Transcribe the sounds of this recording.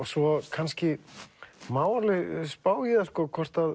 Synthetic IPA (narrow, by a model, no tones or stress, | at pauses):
svɔkʰanscɪ | maːwaɾlɪspaːwjɪðaskɔkʰvɔr̥t̪að